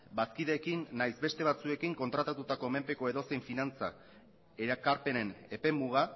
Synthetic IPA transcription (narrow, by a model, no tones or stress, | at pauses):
baskiðe̞ːkinːajzbe̞st̪e̞βat͡sue̞kiŋko̞nt̪ɾat̪at̪ut̪ako̞me̞mpe̞ko̞e̞ðo̞seɱfinant͡sa | eɾakaɾpe̞ne̞ne̞pe̞muɣ̞a